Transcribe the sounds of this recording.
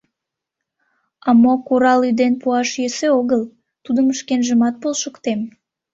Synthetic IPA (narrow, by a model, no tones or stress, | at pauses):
ɑmokuɾɑlyd̪enpuɑʃjeseoɣəl | t̪ud̪əməʃkenʒəmɑt̪̚polʃəkt̪em